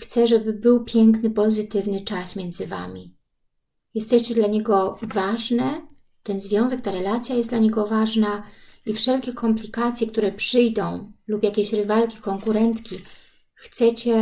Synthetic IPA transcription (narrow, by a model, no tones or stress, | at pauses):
xt̪sɛʐɛbɘbɘwpʲjɛŋknɘpɔzɘt̪ɘvnɘt͡ʂasmʲjɛnd̪zɘva̰mʲḭ | jɛst̪ɛɕt͡ɕɛd̪laɲɛɡɔvaʐnɛ | t̪ɛnzvʲjɔ̃w̃zɛk̚t̪aɾɛlat̪sʲjajɛst̪laɲɛɡɔvaʐnaifʂɛlkʲɛkʰɔmplʲikat̪sʲjɛkt̪uɾɛpʂɘjd̪ɔ̃w̃lupjakʲeɕɾɘvalkʲi̥kɔŋkuɾɛnt̪kʲi | xt̪sɛt͡ɕɛ